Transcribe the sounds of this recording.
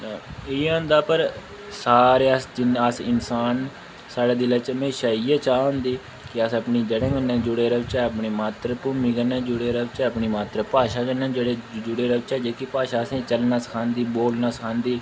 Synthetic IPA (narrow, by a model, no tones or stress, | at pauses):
ɪoʊ̃ːnd̪aːpəɾ | saːɾeːəsd͡ʒɪnəsɪnsaːn | saːɽaːd̪ɪleːt͡ʃəmeːʃaːiːɛːt͡ʃaːɦʊ̃nd̪iː | kɪəsəpniːd͡ʒeːɽẽːɡənɛ̃ːd͡ʒʊɽeːɾəʋt͡ʃɛːəpɳiːmaːt̪ɾəpʊːmiːɡənɛ̃ːd͡ʒʊɽeːɾəʋt͡ʃɛːəpɳiːmaːt̪ɾəpaːʃaːɡənɛ̃ːd͡ʒeːɽeːd͡ʒʊɽeːɾəʋt͡ʃɛːd͡ʒeːkipaːʃaːəsẽːt͡ʃəlnaːsə̥kʰãːnd̪iːboːlnaːsəkʰãːnd̪iː